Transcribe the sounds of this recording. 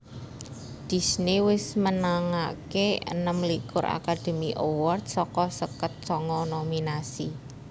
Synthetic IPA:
d̪̥i̤snewɪsmənaŋakeə̰nəmlikʊɾa̰kad̪̥ə̤miʔowɔrt̪̚sɔkɔsəkət̪̚sɔŋɔnominasi

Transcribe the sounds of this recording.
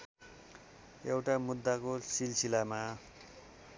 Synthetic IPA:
ewʈamud̪ːakosilsilama

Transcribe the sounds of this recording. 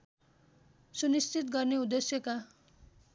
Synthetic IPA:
sunist͡sit̪ɡʌrneud̪esjʌka

